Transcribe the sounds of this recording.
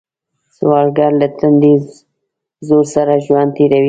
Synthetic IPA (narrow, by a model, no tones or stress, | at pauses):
swɑlɡaɾlat̪and̪ez | zoɾsaɾaʒwand̪̚t̪eɾawi